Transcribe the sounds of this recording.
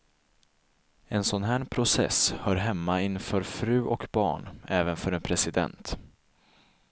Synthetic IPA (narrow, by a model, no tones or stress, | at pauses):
ɛnsɔnɦæːɳpʰɾʊsɛ̰shœːɾɦɛmːaɪnːfœːɾfɾʉ̟ːʔɔkbɑ̰ːɳɛːvənfœɾɛnpʰɾɛsɪd̪ɛ̰nt̪